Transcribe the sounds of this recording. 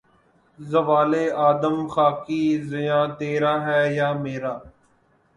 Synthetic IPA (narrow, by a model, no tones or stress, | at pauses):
zəʋaːleːaːd̪əmxaːkiːzɪjãːt̪eːɾaːɦɛːjaːmeːɾaː